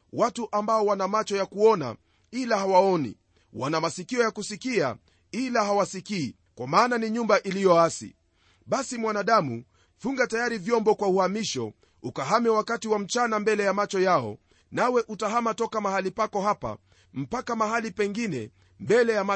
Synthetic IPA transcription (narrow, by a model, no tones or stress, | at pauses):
watuʔambaɔwanamat͡ʃɔjakuɔna̰ | ilahawaɔnḭ | wanamasikiɔjakusikia̰ | ilaɦawasikiː | kwamaːnaniɲumbaʔilijɔasḭ | ɓasimwanaɗamu | fuŋɡatajaɾivjɔmbɔkwauhamiʃɔ̰ | ukaɦamɛwakatiwam̩t͡ʃanambɛlɛjamat͡ʃɔjaɔ̰ | nawɛʔutaɦamatɔkamahalipakɔɦapa̰ | m̩pakamaɦalipɛŋɡinɛ | mbɛlɛjama